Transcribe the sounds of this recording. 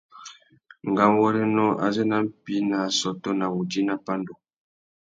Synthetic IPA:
ŋ˨ɡa˦m˦wɔ˦ɾɛ˦nɔ˦ʔa̰˨zɛ˦na˦m̩˦pi˦na˨sɔ˨tɔ˦na˨wu˨di˦na˦pa˦ndɔ˨

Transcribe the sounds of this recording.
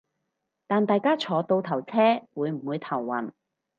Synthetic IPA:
t̪aː˨nt̪aː˨jkaː˥t͡ʃʰɔː˨˧t̪o˧wt̪ʰɐ˨˩wt͡sʰɛː˥wuː˨˧jm̩˨˩wuː˨˧jt̪ʰɐ˨˩wːɐ̰˨˩n

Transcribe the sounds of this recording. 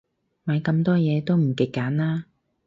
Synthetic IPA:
mɐ˨˧jkɐ˧mt̪ɔː˥jɛː˨˧t̪o˥wm̩˨˩kɪ˨kːaː˨˥naː˥

